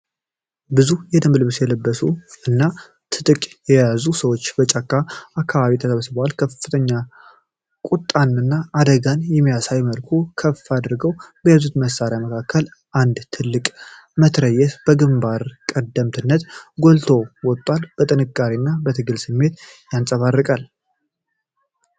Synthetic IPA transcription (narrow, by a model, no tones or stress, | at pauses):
bɨzujɛd̪ɨmblɨβsjɛləbːəsuɨnːa | t̪ʰɨt̪ʼɨkʼjɛjazusəwo̞t͡ʃːb̥ət͡ʃʼakʼːaakʰːaβaβit̪ʰəsəβsbəwalkʰəfːɨt̪ʰəɲːa | kʼut̪ʼːanɨnːaːd̪əɡanjɛmːijasajməlkʰukʰəfad̪ɨɾɡəwbəjazut̪məsːaɾejaməkʰakːəl | ʔand̪t̪ʰɨlːɨkʼ | mət̪ʰɾəjːɛt̪b̥əɡɨmbaɾkʼəd̪əmt̪ʰɨnːət̪ɡolt̪ʰo̞wɔt̪ʼːwalb̥ət̪ʼɨnɨkʼːaɾinːabət̪ʰɨɡɨlsɨmːe̞t̪jansʼəβarːɨkʼal